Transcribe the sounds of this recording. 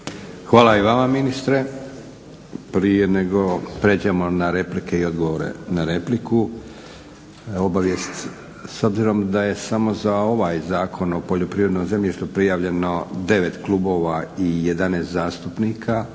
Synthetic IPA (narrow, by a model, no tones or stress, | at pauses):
xʋaːlˠaiʋamaminist̪ɾe̞ | pɾije̞ne̞ɡo̞pɾe̞d͡ʑamo̞naɾe̞plike̞io̞d̪ɡoʋoɾḛnaɾe̞pliku | o̞baʋje̞st̪ | so̞bziɾo̞md̪aje̞samo̞zao̞ʋaːjzaːkʰo̞no̞poʎo̞pɾiːɾe̞d̪nojze̞mʎiʃt̪upɾijaːʋʎe̞no̞d̪e̞ʋe̞t̪kluːbo̞ʋaije̞d̪anest̪zaːst̪upniːkʰa